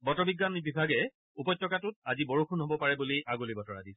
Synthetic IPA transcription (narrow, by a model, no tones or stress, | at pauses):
bɔtɔbiɡːanibibʱaɡɛ | upɔjtːjɔkatʊt̚azibɔɹukʰunɦɔbɔpaɹɛbuliʔaɡulibɔtɔɹa̰dis